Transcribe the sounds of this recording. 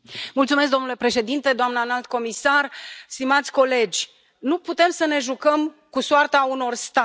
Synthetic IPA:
mult̪sumes̬kd̪o̞mnule̞pɾe̞ʃe̞d̪int̪e̞d̪oamnəanalt̪ko̞misarst̪imat̪sʲko̞le̞d͡ʒʲ | nuput̪e̞msəne̞ʒukəm | kusoart̪auno̞rst̪a

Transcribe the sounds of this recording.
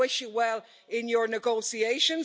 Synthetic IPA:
ɪʃjəwɛlˠ | ɪ̃njə˞nɪɡoʊsieɪʃə̃n

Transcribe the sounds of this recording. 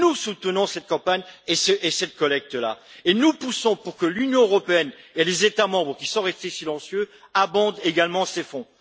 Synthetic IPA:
nusut̪ənɔ̃sɛt̪̚kɑ̃paɲesəʔesɛt̪̚kɔlɛk̚t̪əla̰enupusɔ̃puʁkəlynjɔ̃øʁɔpeɛnelezet̪amɑ̃bʁəkʲi̥sɔ̃ʁɛst̪esilɑ̃sjø | abɑ̃d̪eɡalmɑ̃sefɔ̃

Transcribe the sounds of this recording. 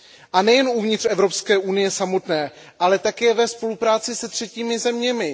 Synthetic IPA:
ʔanɛjɛnuvɲɪt̪r̥ɛvɾo̞pskɛːʔunɪjɛsamo̞t̪nɛː | ʔalɛt̪akɛːvɛspo̞lupɾaːt͡sɪsɛt̪r̥ɛciːmɪzɛmɲɛmɪ

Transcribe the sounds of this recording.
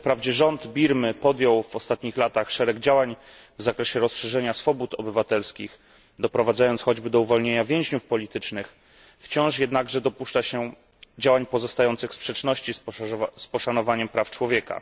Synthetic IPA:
fpɾavd͡ʑɛʐɔnd̪bʲiɾmɘpɔd̪jɔwvɔst̪at̪ɲixlat̪axʂɛɾɛɡd͡ʑawaɲ | vzakɾɛɕɛɾɔsʂɛʐɛɲasfɔbut̪ɔbɘvat̪ɛlskʲix | d̪ɔpɾɔvad̪zajɔntsxɔd͡ʑbɘd̪ɔuvɔlɲeɲavʲjɛ̃w̃ʑɲufpɔlʲit̪ɘt͡ʂnɘx | ft͡ɕɔ̃w̃ʂjɛd̪naɡʐɛd̪ɔpuʂt͡ʂaɕɛ | d͡ʑawaɲpɔzɔst̪ajɔnt̪sɘxspʂɛt͡ʂnɔɕt͡ɕispɔʂanɔvaɲɛmpɾaft͡ʂwɔvʲjɛka̰

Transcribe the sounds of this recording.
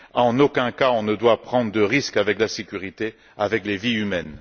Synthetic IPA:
ɑ̃nokʲɛ̃kaɔ̃nəd̪wapχɑ̃d̪ʁəd̪əʁiskavɛklasekʲyʁit̪e | avɛkleviymɛn

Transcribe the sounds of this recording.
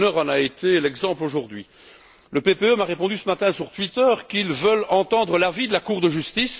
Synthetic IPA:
nœʁɑ̃naet̪elɛɡzɑ̃ploʒuʁd̪ɥi | ləpepeømaʁepɔ̃d̪ysəmat̪ɛ̃syʁt̪ɥit̪œʁkilvəlɑ̃t̪ɑ̃d̪ʁəlavid̪əlakuʁd̪əʒyst̪is

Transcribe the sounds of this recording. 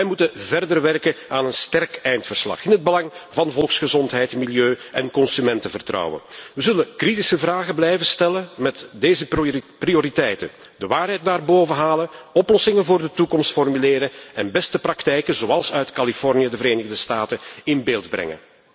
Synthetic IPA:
ʋɛjmutəvɛrdərʋɛrkəaːnənstɛrkɛjntfərslɑ̰χɪnɦəd̚bəlɑŋvɑnvɔlˠksχəzɔntɦɛjtmiljøːɛnkɔnsymɛntəvərtrɑ̰wə̰nʋəzɵlənkritisəvraːɣəblɛjvəstɛləmɛtdeːzəprioɾitɛjtə̰n | d̥əʋaːrɦɛjt̚daːrboːvəɦaːlənɔplɔsɪŋənvʊːrdətukɔmstfɔrmyleːɾəɛnbɛstəprɑktɛjkənzoːɑlˠsœɥtkɑlifɔrnijədəvəɾeːnəɣdəstaːtənɪnbeːlˠdbrɛ̰ŋə̰n

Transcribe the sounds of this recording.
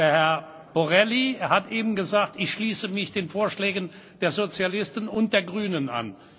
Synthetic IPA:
deːɐhɛɐ | boʁɛlihatʔeːbm̩ɡəzaːk̚tɪçʃliːsəmɪçd̥eːnfoːɐʃlɛːɡən | d̥eːɐzot͡sjalɪstn̩ʊnt̚d̥eːɐɡʁyːnəna̰n

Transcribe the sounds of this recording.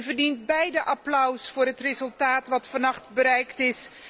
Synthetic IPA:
vərdint̚bɛjdəʔɑplœwsfʊːrɦətrezɵlˠtaːtʋɑtfɑnɑχtbəɾɛjktɪs

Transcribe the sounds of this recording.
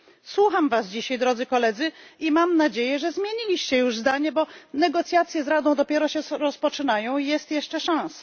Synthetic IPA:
swuxamvasd͡ʑiɕajd̪ɾɔd̪zɘkɔlɛd̪zɘimamnad͡ʑejɛʐɛzmʲjeɲilʲiɕt͡ɕɛjuʐzd̪aɲɛbɔnɛɡɔt̪sʲjat̪sʲjɛzɾad̪ɔ̃w̃d̪ɔpʲjɛɾɔɕɛɾɔspɔt͡ʂɘnajɔ̃w̃ijɛst̪jɛʂt͡ʂɛʂãw̃sḁ

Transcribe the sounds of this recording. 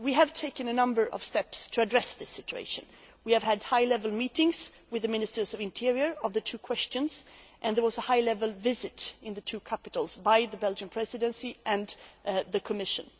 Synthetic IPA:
wiɨv̥tʰeɪkɨ̃nɨnʌ̃mbə˞ʔʌ̰v̥stɛpstʰɨːdɹɛsðɪsɪt͡ʃʉḛɪʃɨ̃n | wiɨv̥ɨdhaɪlɛvəl̩ˠmiɾɪ̃ŋz̥ | wɨðɨmɪ̃nɨstə˞zʌvɨ̃ntʰɪɹiə˞ʌvðɨtʰʉkʰw̥ɛst͡ʃɨ̃nz̥ʔɨ̃nðə˞wʌzəhaɪlɛvəl̩ˠvɪzɨɾɨ̃nðɨtʰʉkʰæpɨɾl̩ˠz̥baɪðɨbɛlˠd͡ʒɨ̃npʰɹ̥ɛzɨɾɨ̃nsiʔɨ̃nðɨkʰəmɪʃɨ̰̃n

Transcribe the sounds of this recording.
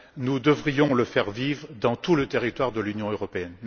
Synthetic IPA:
nud̪əvʁijɔ̃ləfɛʁvivʁd̪ɑ̃t̪ulət̪eʁit̪waʁd̪əlynjɔ̃øʁɔpeɛn

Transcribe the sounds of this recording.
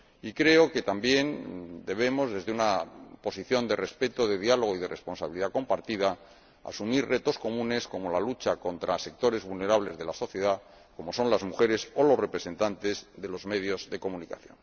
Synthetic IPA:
ikɾe̞o̞ke̞t̪ambje̞nd̪e̞β̞e̞mo̞zðe̞zðeunapo̞siθjo̞nd̪e̞re̞spe̞t̪oðe̞ðjalo̞ɣ̞oið̞e̞re̞spo̞nsaβiliðako̞mpaɾt̪iða | a̰sumirre̞t̪o̞sko̞mũne̞sko̞mo̞lalut͡ʃako̞nt̪ɾase̞k̚t̪o̞ɾe̞zβulne̞ɾaβle̞zðe̞laso̞θje̞ða | ko̞mo̞so̞nlazmuxe̞ɾe̞so̞lo̞zre̞pɾe̞se̞nt̪ant̪e̞zðe̞lo̞zme̞ð̞jo̞zðe̞ko̞mũnikaθjo̞̰n

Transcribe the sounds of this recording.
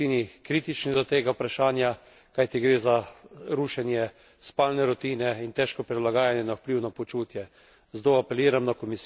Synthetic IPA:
inikɾit̪it͡ʃnid̪ɔt̪eːɡawpɾaʃaːnja | kajt̪iɡɾeːzaɾuʃɛnjɛ | spaːlnɛɾɔt̪inɛint̪ɛːʃkɔpɾid̪laɡaːjanjɛnawpliwnɔpɔt͡ʃuːt̪jɛ | zd̪oːapɛliːɾamnakɔmis

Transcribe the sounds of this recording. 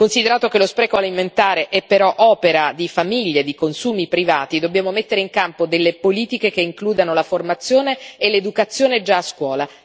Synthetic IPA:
konsid̪eɾaːt̪okelospɾɛːkoaliment̪aːɾeʔɛpːeɾɔʔɔːpeɾad̪ifamiʎːed̪ikonsuːmipɾivaːt̪id̪objaːmomet̪ːeɾeiŋkampod̪elːepoliːt̪ikek̟eiŋkluːd̪anolaformat̪sːjoːneːlːed̪ukat̪sːjoːned͡ʒaːskwɔːla

